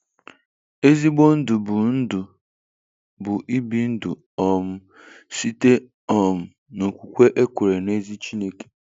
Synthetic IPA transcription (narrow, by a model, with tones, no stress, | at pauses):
e˦zi˦ɡ͡bo˦n̩˦dʊ˨bʊ˨n̩˦dʊ˨ | bʊ˨ʔi˦bi˦n̩˦dʊ̰˨ | ɔ˨m̩˦ | si˦te˦ | ɔ˨m̩˦ | no˨kʷu˨kʷe˦ʔe˦kʷe˨ɾe˨ne˦zi˦t͡ʃi˦ne˦ke̥˨